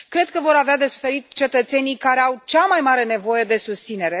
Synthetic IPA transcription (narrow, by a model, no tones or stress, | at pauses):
kɾe̞d̪̚kəvo̞ɾavead̪e̞su̥fe̞ɾit̪t͡ʃe̞t̪ət̪se̞nijkaɾeawt͡ʃamajmaɾe̞ne̞vo̞je̞d̪e̞sust̪sine̞ɾe̞